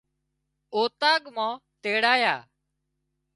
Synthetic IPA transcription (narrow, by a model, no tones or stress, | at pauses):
oːt̪aːɡmãːt̪eːɽaːjaː